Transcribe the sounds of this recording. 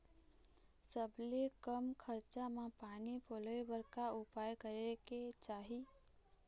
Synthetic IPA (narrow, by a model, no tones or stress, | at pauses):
səblekəmkʰəɾt͡ʃamepanipoləjbəɾkaupajkəɾeket͡ʃaɦi